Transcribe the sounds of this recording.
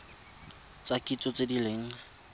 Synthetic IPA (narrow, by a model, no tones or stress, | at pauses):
t͡sakʼit͡sɔt͡sedileŋ̩